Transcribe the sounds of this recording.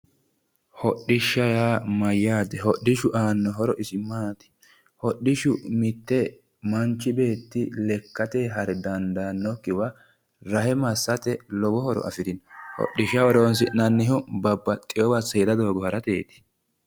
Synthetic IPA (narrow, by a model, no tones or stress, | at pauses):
hɔɗːɪʃːɐjaːmɐjːaːd̪ɛɦɔɗːɪʃʊʔaːnːɔɦɔɾɔʔɪsɪmaːt̪ɪ̥ | hɔɗːɪʃʊmɪt̪ːɛ | mɐnt͡ʃːɪbe̞ːt̪ːɪlɛkːɐt̪eːɦɐɾɛd̪ɐnd̪anːɔkːɪwɐ | ɾɐhɛmɐsːɐt̪ɛlɔbɔhɔɾɔ̰ʔɐ̰fɪd̪ɪnhɔ̰ɗːɪʃːɐhɔɾonsɪnɐnːɪɦʊbɐbːɐt̪ʼɪjɔbɐsɛd̪ɐd̪o̞ːɡɔhɐɾɐt̪eːt̪ɪ̥